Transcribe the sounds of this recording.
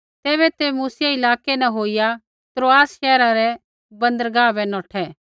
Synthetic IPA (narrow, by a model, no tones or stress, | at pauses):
t̪eːβɛt̪emuːsjaɪlaːkenɛ̃ɦoːɪja | t̪ɾoːaːsʃɛːɾaɾɛ | bɐ̃nd̪əɾɡaːbɛnɔːʈʰɛ